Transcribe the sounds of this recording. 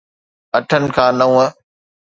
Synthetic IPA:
ɐʈʰənɪ̆kʰãːnɐũːə

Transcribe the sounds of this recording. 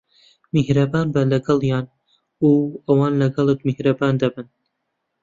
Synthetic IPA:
mihɾɐbaːnbɐlɐɡɐlˠjɑːn | uːɐwɑːnlɐɡɐlˠet̪mihɾɐbaːnd̪ɐbɨn

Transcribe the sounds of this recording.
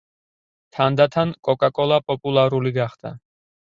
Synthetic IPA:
t̪ʰand̪at̪ʰankʼɔkʼakʼɔlˠapʼɔpʼulˠaɾuliɡaχd̪̥a̰

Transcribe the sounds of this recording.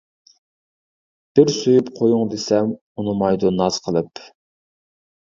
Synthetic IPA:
b̥ɪɾsøjypqʰojuŋd̪esɛm | unɨmɑjd̪onːɑz̥qʰəlˠɨp

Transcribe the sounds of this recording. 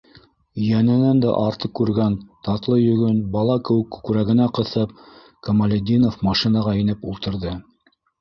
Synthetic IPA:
jænɘ̆nænd̪æ̰ʔɑɾt̪ɤp̚kʉɾɡænt̪ɑt̪lˠɤjɵ̆ɡɵnbɑlˠɑkɘ̆wɘkːʉ̥kɾæɣɘ̆næqɤ̆θɤp̚ | kɐmalʲed̪ʲinofmɑʃinɑʁɑinɘpulˠt̪ɤ̆ɾðɤ

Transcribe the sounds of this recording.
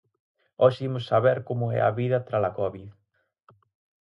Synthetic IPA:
ɔʃimʊsːaβɛɾkomʊɛ̰ɐ̰βiðɐt̪ɾalakɔβið

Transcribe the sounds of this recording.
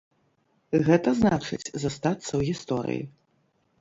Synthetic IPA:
ɣɛt̪ɐznaʈ͡ʂɨ̰t͡sʲzɐst̪at̪sːɐwɣʲist̪oɾɨ̰jḭ

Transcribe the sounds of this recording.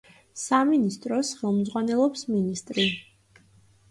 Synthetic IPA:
saminist̪ʼɾɔsχɛlˠmd̪zʁwanɛlˠɔpsminist̪ʼɾi

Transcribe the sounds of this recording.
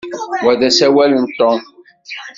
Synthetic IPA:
wæðæsæwælənt̪o

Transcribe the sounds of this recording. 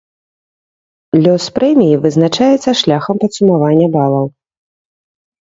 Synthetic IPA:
lʲɔspɾɛmʲijivɨznat͡ʂajɛt̪sːɐʂlʲaxɐmpɐt̪sumavanʲːɐbalˠɐw

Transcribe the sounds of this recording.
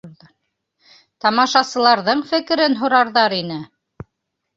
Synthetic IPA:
t̪ɑmɑʃɑsɤ̆lˠɑɾðɤɴfɘ̆kɘ̆ɾɘnɦŏɾɑɾðɑɾinɘ

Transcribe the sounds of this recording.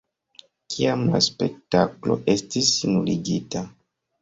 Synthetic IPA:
kʰiamlaspe̞k̚taklo̞ʔe̞stisinuliɡita

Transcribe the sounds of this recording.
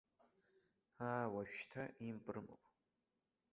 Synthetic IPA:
aːwaʃtʰaʔimpʼrɨmo̰

